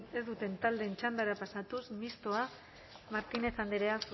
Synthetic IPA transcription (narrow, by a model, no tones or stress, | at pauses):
e̞zd̪ut̪e̞nt̪ald̪e̞nt͡ʃand̪aɾapasat̪usmist̪o̞a | maɾt̪ine̞t͡sand̪eɾeas